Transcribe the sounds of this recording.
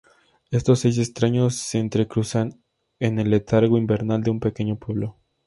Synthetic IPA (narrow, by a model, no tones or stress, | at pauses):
e̞st̪o̞sːe̞js̬e̞st̪ɾaɲo̞sːeːnt̪ɾe̞kɾusan | e̞ne̞le̞t̪aɾɣo̞imbe̞ɾnald̪eumpe̞ke̞ɲo̞pwe̞βlo̞